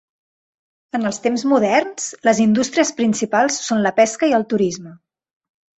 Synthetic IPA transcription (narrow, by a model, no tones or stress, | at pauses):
ənəlˠst̪emzmuðɛrnsləzind̪ust̪ɾiəspɾinsipalˠsːonləpɛskəiəlˠt̪uɾizmə